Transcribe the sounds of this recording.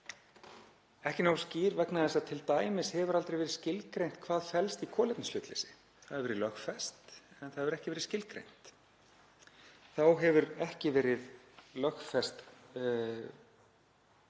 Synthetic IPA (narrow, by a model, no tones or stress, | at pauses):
ɛhcɪnawsciːɾvɛknaðɛsaðt̪ʰɪlt̪aːjmɪshɛvʏɾalt̪ɾejvɛɾɪscɪlkɾejn̥t̪̚kʰvaːðfɛlst̪ikʰɔːlɪt̪nɪslʏːt̪lɛ̰sɪ̥ | θaðɛɾvɛːɾɪðlœxfɛst̪ɛnθaðhɛvʏɾɛhcɪvɛːɾɪðscɪlkɾḛjn̥t̪ | θawɦɛvʏɾɛhcɪvɛːɾɪð | lœxfɛst̪